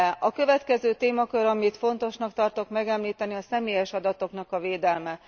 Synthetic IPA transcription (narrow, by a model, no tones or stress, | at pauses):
ʔɒkø̞vɛt̪kɛzøːt̪eːmɒkøɾɒmit̪fo̞nt̪o̞ʃnɒkt̪ɒrt̪o̞kmɛɡɛmliːt̪ɛniɒsɛmeːjɛʃɒd̪ɒt̪o̞knɒkɒveːd̪ɛlmɛ